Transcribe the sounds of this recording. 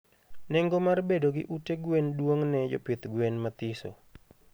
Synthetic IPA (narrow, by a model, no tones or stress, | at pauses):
nɛŋɡomarbedoɡɪ̰ʔuteɡwendwoŋnɛd͡ʒɔ̰pɪt̪ɡwenmat̪iso̰